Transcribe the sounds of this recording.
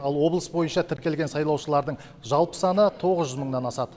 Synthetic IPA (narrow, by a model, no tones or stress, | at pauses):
ɑlˠwo̞blˠəsbo̞jənʃɑt̪ʰɪɾkʲe̞lɡʲe̞nsɑjlˠɑwʃəlˠɑɾd̪əɴ | ʒɑlˠpə̥sɑnət̪ʰo̞ʁəzʒʏzməɴnɑnɑsɑd̪ə